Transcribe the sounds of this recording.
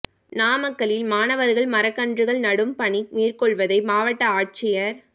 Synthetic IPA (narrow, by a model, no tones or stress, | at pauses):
naːmɐkːɐɭɪlmaːnɐʋɐɾɣɐɭmɐɾɐkːɐɳdrɯɣɐɭnɐɽɯmpɐɳimiːrkɔɭʋɐðɐɪmaːʋɐʈːɐaːʈ̚t͡ʃɪjɐɾ